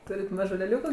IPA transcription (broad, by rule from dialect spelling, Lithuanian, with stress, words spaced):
ˈtuːrʲɪt ˈmɑːʒʊ lʲɛˈlʲuːkʊ